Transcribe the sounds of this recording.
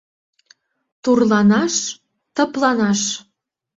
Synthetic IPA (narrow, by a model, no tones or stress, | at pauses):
t̪urlɑnɑʃ | t̪ɤ̆plɑnɑʃ